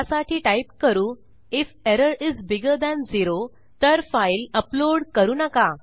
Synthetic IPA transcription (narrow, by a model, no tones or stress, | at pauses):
asaʈʰiːʈaip̚kəɾuː | ifeɾəɾizbiɡəɾd̪æ̃nd͡ziɾo | t̪əɾfailəploɽkəɾuːnəka